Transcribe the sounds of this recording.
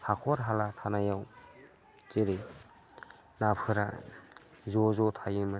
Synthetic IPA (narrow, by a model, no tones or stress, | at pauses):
hakʰɔɾɦalatʰanajaw | t͡ʃeɾe | napʰɯɾa̰ | zɔzɔtʰajɯma